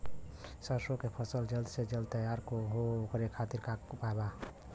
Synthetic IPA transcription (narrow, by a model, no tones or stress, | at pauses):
səsokepʰəsəld͡ʒəld̪sed͡ʒəlt̪əjaɾkoɦookɾekʰat̪iɾkakpaeba